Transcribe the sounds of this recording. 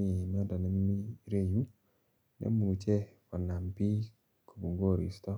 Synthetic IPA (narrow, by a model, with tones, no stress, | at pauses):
i˨na˦da˨nɛ˦m˦mi˦ɾe˦ɲu˦ | nḛ˦mu˨t͡ʃɛ˦kɔ˨na˨mpi˦ | kʰo˨bu˨ŋɡo˦˨ɾḭ˨st̪ɔ˦